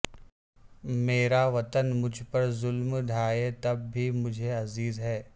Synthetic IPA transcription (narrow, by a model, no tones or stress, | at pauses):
meːɾaʋɐt̪ənmʊd͡ʒʱpɐɾzʊlmɖʱaːjet̪ɐb̚ːʱimʊd͡ʒʱeɐziːzɦɛː